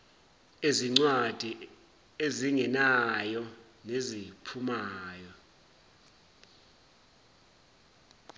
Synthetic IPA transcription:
eziŋ͡ǀwad̥ʱi | eziŋɛnajɔ | nezipʰumaːjɔ

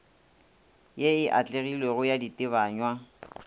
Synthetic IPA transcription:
jeɪʔat͡ɬʼeɣilweɣʊjaditʼɪβaːɲwa

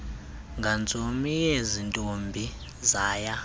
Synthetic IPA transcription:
ŋɡʱant͡sʼomijezintʼombʱi | zaːja

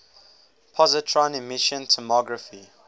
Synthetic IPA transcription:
pʰɔzətʰɹãnɪmɪʃə̃ntʰɔmɔɡɹəfi

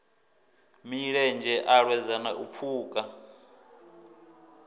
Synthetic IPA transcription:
miɺɛnd͡ʒɛʔaɺwɛzanaʔup̪fʰuːkʼa

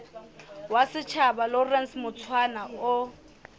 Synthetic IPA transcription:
wasɪt͡ʃʰabalɔrɛnsmʊt͡sʰwanaʊ

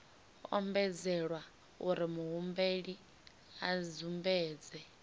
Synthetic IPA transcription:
ɔ̰mbɛd͡zɛɺwa | uɾimuɦumbeɺi | ad͡zumbɛːd͡zɛ

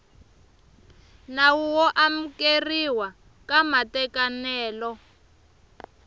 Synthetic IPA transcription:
nawuwɔʔam̩keriwa | kamatɛkanɛːlɔ

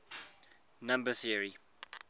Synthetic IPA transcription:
nãmbəθiəɹi

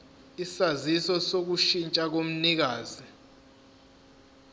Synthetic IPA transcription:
isazisɔsok̬uʃint͡ʃʼak̬om̩nik̬aːzi

